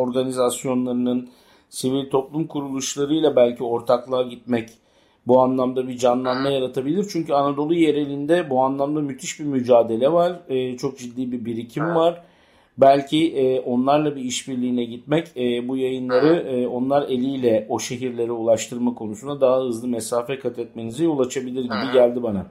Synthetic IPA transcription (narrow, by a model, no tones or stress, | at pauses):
o̞ɾɡanizasjo̞nlˠaɾɯnɯn | sivilʲt̪ʰo̞plˠumkʰuɾulˠuʃlˠaɾɯjlˠabælʲcʰio̞ɾt̪ʰaklˠaːɟit̪̚mɛc | buanlˠamd̪abid͡ʒanlˠanmajaɾat̪ʰabilʲiɾt͡ʃʰyɲcyanad̪o̞lˠuje̞ɾe̞lʲind̪ɛbuanlˠamd̪amyt̪ʰiʃbimyd͡ʒaːd̪e̞lʲɛvaɾ̥ɯːt͡ʃʰo̞k̚d͡ʒid̪ːiːbibiɾicʰimvaɾ̥ | bælʲcʰiʔɛːʔo̞nlˠaɾlˠabiiʃbiɾlʲiːnʲɛɟit̪̚mɛcɛːbujajɯnlˠaɾɯːo̞nlˠaɾe̞lʲijlʲɛo̞ʃe̞ɦiɾlʲe̞ɾiulˠaʃt̪ʰɯɾmakʰo̞nusunad̪aɦaɦɯzlˠɯmɛsaːfɛkʰat̪ʰɛt̪̚me̞nizijo̞lˠat͡ʃʰabilʲiɾɟibiɟælʲd̪ibana